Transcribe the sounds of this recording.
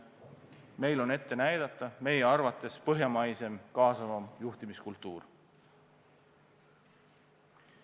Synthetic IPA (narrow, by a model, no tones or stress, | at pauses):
me̞jlo̞ne̞t̪ːe̞næjd̪̥ɑt̪ˑːɑme̞jeɑrvɑt̪ˑːe̞spɤɦjɑmɑjse̞mkɑːsɑvɑmjuht̪imiskult̪ːˑuːr